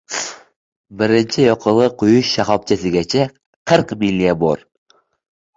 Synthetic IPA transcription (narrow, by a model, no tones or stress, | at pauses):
bɪɾɪnt͡ʃʰɪjoqʰəlˠɨqʰʊjʊʃːaχɒp̚t͡ʃʰasɪɡʲæt͡ʃʰa | qʰɨɾqmilʲːiabo̰ɾ